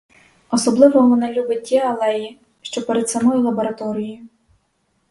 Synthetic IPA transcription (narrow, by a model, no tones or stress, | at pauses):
ɔsɔblˠɪʋɔʋɔnɛlʲubɪt̚ʲːɛɐlˠɛji | ʃt͡ʃɔpeɾed̪sɐmɔjʊlˠɐbɔɾɐt̪ɔɾʲijjʊ